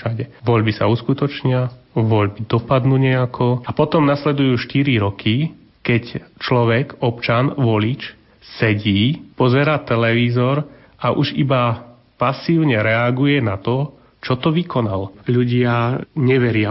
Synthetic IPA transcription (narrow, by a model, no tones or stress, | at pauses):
ʃaɟɛʋɔʎbisa̰uskut̪ɔt͡ʃɲɪaʋɔʎbid̪ɔpad̪nuːɲɛakʰɔapɔt̪ɔmnaslɛd̪ujuːʃt̪iɾiɾɔki | kɛct͡ʃlɔʋɛɡɔpt͡ʃanʋɔlit͡ʃ | sɛɟiːpɔzɛɾaːt̪ɛlɛʋiːzɔɾ | aʔuʒiba | pasiːʊɲɛɾɛaɡujɛnat̪ɔ | t͡ʃɔt̪ɔʋikɔnalɔʎuɟɪaɲɛʋɛɾɪa